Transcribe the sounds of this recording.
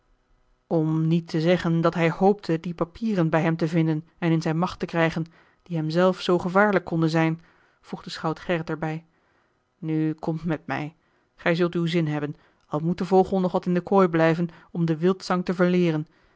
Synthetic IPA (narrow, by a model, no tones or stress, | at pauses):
ɔmnitʰəzɛχəndɑtɦɛjhowp̚tʰədipapʰiːrənbɛjɦɛmtəvɪndən | ɛnɪnzɛjnmɑχtəkrɛjχən | d̥iɦɛmzɛlˠfsowχəvaːɹləkːɔndənzɛjn | v̥ruχdəsχɑwtχɛrətɛɹbɛj | nykɔmtmɛtmɛ̰j | χɛjzɵlˠtywzɪnɦɛbən | ɑlˠmut̚dəvowχəlˠnɔχʋɑtɪndəkɔjblɛjvənɔmdəʋɪlˠtsɑŋtəvəɹlɪːrən